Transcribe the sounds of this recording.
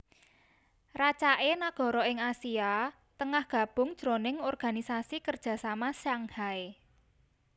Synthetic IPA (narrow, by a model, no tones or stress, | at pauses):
rat͡ʃaʔenaɡ̥ɔ̤ɾɔɪŋasia | t̪əŋahɡ̥a̤b̥ʊ̤ŋd̥ʒ̥ɾonɪŋɔrɡ̥a̤nisasikərd̥ʒ̥a̤samasaŋhae